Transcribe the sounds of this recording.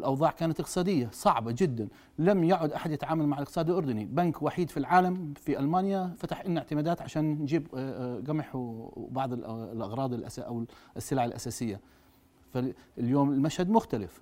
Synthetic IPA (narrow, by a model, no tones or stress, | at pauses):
lʔɑwðˤɑːʕkaːnat̪ʔɪqt̪sˤɑːd̪ɪjːasˤɑʕbad͡ʒɪd̪ːan | lamjaʕʊd̪ʔaħad̪jɪt̪ʕaːmalmaʕɪlʔɪq̚t̪sˤɑːd̪ɪlʔʊɾd̪ʊnibankwaħiːd̪filʕaːlamfiʔalmaːnjafat̪aħʔɪnːɪʕt̪ɪmaːd̪aːt̪ʕaʃaːnːd͡ʒiːbɡamħbɑʕðˤllʔɑɣɾˤɑːd̪ˤɪlʔa̰saʔawsːɪlaːʕalʔa̰saːsɪjːa | faljoːmɪlmaʃhad̪mʊxt̪alɪf